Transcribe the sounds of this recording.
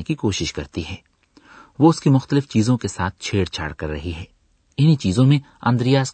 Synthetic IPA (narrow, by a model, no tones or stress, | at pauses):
ekikoːʃɪʃkɐɾt̪iɦɛː | ʋoʊskimʊxt̪əlɪft͡ʃiːzõkesaːt̪̚ʰt͡ʃʰeːɽt͡ʃʰa̰ːɽkɐɾːɐɦiɦɛː | ɪnit͡ʃiːzõmẽ | ɐ̰̃nd̪ɾijaːs